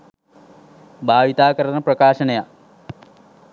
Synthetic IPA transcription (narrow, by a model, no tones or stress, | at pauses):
bʱaːʋit̪aːkɐɾɐnɐprɐkaːʂɐnɐja